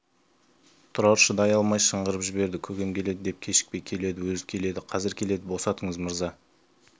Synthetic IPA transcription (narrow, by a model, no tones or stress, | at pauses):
t̪ʰʊɾɑɾʃəd̪ɑjɑlˠmɑjʃəɴʁəɾəpʒɪbe̞ɾd̪ɪkʲʰɵɡʲe̞mkʲʰe̞le̞d̪ɪd̪e̞p̚kʲʰe̞ʃɪ̥k̚pe̞jkʲʰe̞le̞d̪ɪwɵzɪkʲʰe̞le̞d̪ɪqʰɑzɪɾkʲʰe̞le̞d̪ɪbo̞sɑt̪əɴəzməɾzɑ